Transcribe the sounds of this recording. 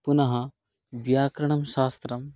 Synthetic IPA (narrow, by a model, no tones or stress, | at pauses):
punɐɦɐ | bjaːkɾɐɳ̃ɐmʃaːst̪ɾɐm